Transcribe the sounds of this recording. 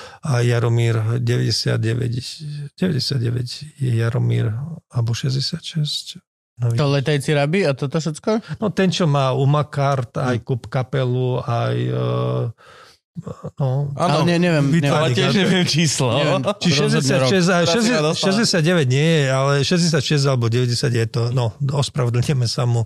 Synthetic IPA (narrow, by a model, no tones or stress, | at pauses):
ajaɾɔmiːɾɟɛʋɛ̰ɟɛsɪa̰d̪̚ɟɛʋɛ̰ɟɟ̥ɛʋɛɟɛsɪad̪ɟɛʋɛ̰cjɛjaɾɔmḭɾabɔʃɛzɟɛsɪat̪ʃɛsc | nɔʋit̪ɔlɛt̪ajt͡siɾabiat̪ɔt̪ɔʃ̬ɛt͡skɔnɔt̪ɛnt͡ʃɔmaːumakaɾt̪ajkupkapɛluaj | nɔaɲɛɲɛʋjɛmʋitʋaɾiɛɛʋɪɛmt͡ʃiːslɔɲɛʋɛmt͡ʃiʃʃɛzɟɛsaɾɛs̬ajʃɛzɛʃɛzɟɛsɪad̪̚ɟɛʋɛɟɲɪɛjɛalɛʃɛzɟɛs̬jat̪ʃɛzɟalɛbɔɟɛʋɛɟɛsjaɟjɛt̪ɔnɔɔspɾaʋɛd̪l̩ɲɛmɛsamu